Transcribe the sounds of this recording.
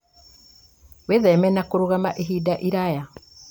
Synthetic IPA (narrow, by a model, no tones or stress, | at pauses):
weðɛmɛnakoɾoɣamaʔeɦiːdaʔiɾaja